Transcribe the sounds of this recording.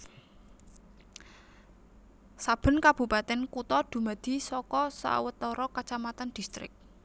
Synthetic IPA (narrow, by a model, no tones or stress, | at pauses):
sab̥ə̤nkab̥upat̪ɛnkut̪ɔd̪̥ṳmad̪̥i̤sɔkɔsa̰wət̪ɔɾɔkat͡ʃamat̪and̪̥ist̪ɾɪ̰k̚